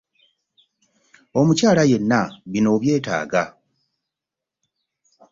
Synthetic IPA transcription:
o̞mucaːlaje̞nːaβino̞ːβje̞ːta̰ːɡa

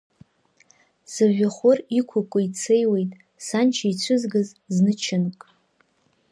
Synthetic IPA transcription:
sɨʒᶣaχʷʊrikʷʰʊkʷʼʊit͡sʰejwe̞jtʼ | sant͡ʃʰait͡ɕʷʰɨzɡɨz | znɨt͡ʃʰɪnkʼ

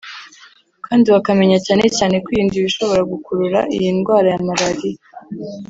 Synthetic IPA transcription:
kaːndiβakame̞ɲacaːne̞caːne̞kwiiːndiβiʃo̞βo̞ɾaɡukuɾuɾa̰ʔḭjinɡwaːɾajamaɾaɾijo

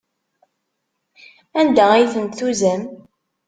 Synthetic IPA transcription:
ænd̪ææjθənt̪θuzæm

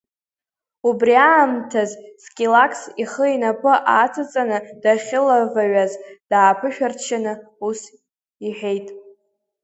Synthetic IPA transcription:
ubriaːmtʰazskʲʼilakʰsiχəinapʰʼɨʔat͡sʰɨt͡sʼanɨd̥aχʲɪlavaɥazd̥aːpʰɨʃᶣart͡ʃʰanɨus | iħᶣe̞jtʼ

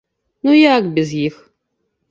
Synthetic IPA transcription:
nujakbɪzjɪx

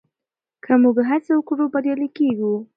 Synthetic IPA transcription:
kʰamuɡɦaseawkoɾobaɾjɑlikeɡu

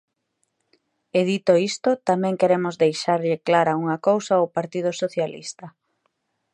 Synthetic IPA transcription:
eðit̪oist̪ot̪amɛ̃ŋkeɾemʊzðejʃaɾʎɪklaɾauŋɐkowsaowpaɾt̪ið̞ʊsoθjalḭst̪ɐ

